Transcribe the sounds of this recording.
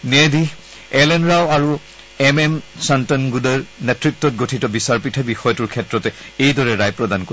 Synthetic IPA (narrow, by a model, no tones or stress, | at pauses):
nedi | ɛlɛnɹawaɹu | ɛmɛmsantɔnɡudeɹnɛtɹik̚tːɔt̚ɡotʰitɔbisaɹpitʰabixɔjɔtuɹkʰɛtɹɔtɛejdɔɹɛɹajpɹɔdanko